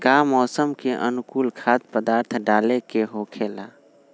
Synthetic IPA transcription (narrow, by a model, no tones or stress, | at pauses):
ɡaːmɔːsəmkeʔənʊkuːlkʰaːt̪̚pəd̪aːɾt̪ʰɖaːlekeɦoːkʰela̰